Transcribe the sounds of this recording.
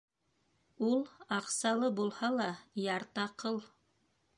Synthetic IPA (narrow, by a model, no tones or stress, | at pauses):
ulˠɑqsɑlˠɤbulˠhɑlˠɑjɑɾt̪ɑqɤlˠ